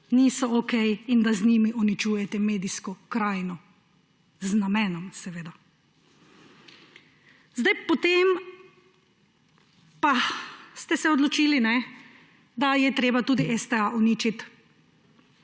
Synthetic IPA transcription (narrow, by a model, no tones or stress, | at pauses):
niːsɔokɛjind̪azniːmiʔɔnit͡ʃuːjɛt̪ɛmeːd̪iskɔkɾaːjnɔ | znamɛːnɔmsɛʋeːd̪a | zd̪ajpɔt̪eːm | past̪ɛsɛɔd̪lɔt͡ʃiːlinɛ | d̪ajɛt̪ɾeːbat̪uːd̪iʔɛst̪ɛaʔɔnit͡ʃit̪